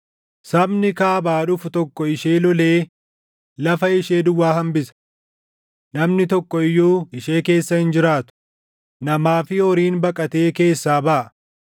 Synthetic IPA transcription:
sɐbnɪkaːbaːᶑʊfʊt̪ɔkːɔɪʃeːlɔle̞ː | lɐfɐɪʃe̞ːd̪ʊwːaːɦɐmbɪsɐ̥ | nɐmnɪt̪ɔkːɔɪjːoːɪʃeːke̞ːsːɐhɪnd͡ʒɪɾaːt̪ʊ̥ | nɐmaːfɪɔɾiːnbɐkʼɐt̪e̞ːke̞ːsːaːbɐʔɐ

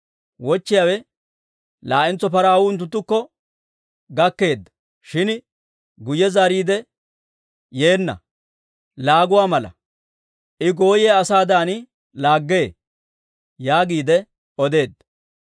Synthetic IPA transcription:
wɔt͡ʃːɪjaːwɛ | laːʔɪnt͡sːɔpɐɾaːwʊɪnt̪̬ːʊt̪ːʊkːɔ | ɡɐkːe̞ːd̪ːɐ̥ | ʃɪn | ɡʊjːɛzaːɾiːd̪ɛ | je̞ːnːɐ̰ | laːɡʊwaːmɐlɐ̰ | ʔɪɡo̞ːjeːɐsaːd̪aːn | laːɡːeː | jaːɡiːd̪ɛ | ɔd̪e̞ːd̪ːɐ

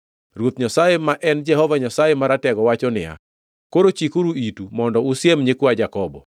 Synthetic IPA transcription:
rwot̪ɲasajemaʔɛnd͡ʒɛhɔvaɲasajemaɾatɛɡɔwat͡ʃɔnɪja̰ | koɾot͡ʃikuɾuitumɔndɔusjemɲekwad͡ʒakɔbɔ

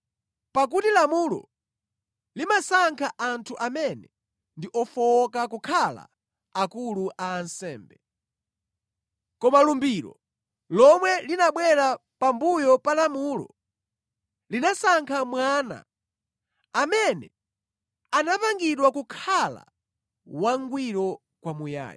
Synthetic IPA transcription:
pak̬utilamulɔ̰ | limasaŋkʰaʔantʰuʔamɛnɛ | ndiʔɔfɔkakukʰala̰ | akuluʔaːnsɛ̰ːmbɛ | kɔmalumbiɾɔ̰ | lɔmwɛlinaɓwɛɾapambujɔpalamuːlɔ̰ | linasaŋkʰamwana̰ | mɛnɛ | anapaŋɡiɗwakukʰala̰ | waŋɡwiɾɔ | kwamuja̰ːj

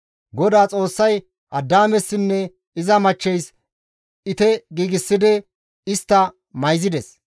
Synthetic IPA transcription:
ɡɔd̪aːt͡sʼo̞ːsːɐj | ʔɐd̪ːaːmɛsːɪnːɛ | ɪzɐmɐt͡ʃːɛjs | ɪt̪ɛɡiːɡɪsːɪd̪ɪ | ɪst̪ːɐ | mɐjzɪd̪ɛs

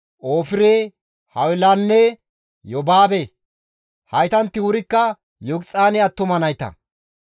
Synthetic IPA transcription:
ʔoːfɪɾeː | hɐwɪlɐnːe | jɔbaːbe | hɐjt̪ɐnt̪ːɪwʊɾɪkːɐ | jɔɡt͡sʼaːnɪɐt̪ːʊmɐnɐjt̪ɐ̰

